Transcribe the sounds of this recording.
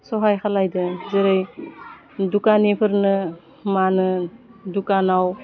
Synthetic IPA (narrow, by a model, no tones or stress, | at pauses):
sɔɦajkʰalajdɯzɯɾɯj | dukanepʰɯɾnɯ | manɯdukanaw